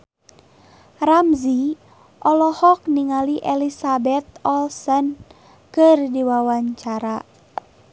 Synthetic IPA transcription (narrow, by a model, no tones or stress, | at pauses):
ramzi | ʔɔlɔhɔk̚niŋaliʔɛlisabɛt̪̚ɔlsɔn | kɨrdiwawaɲt͡ʃaɾa